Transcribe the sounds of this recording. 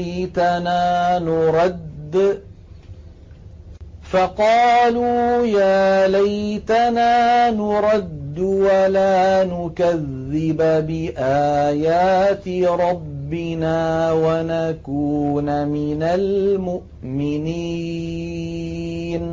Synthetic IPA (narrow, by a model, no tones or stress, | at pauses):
t̪anaːnʊɾˤɑd̪ː | fɑqɑːluːjaːlajt̪anaːnʊɾˤɑd̪ːʊwalaːnʊkaðːɪbbɪʔaːjaːt̪ɪɾˤɑbːɪnaːwanakuːnamɪnalmʊʔmɪni | n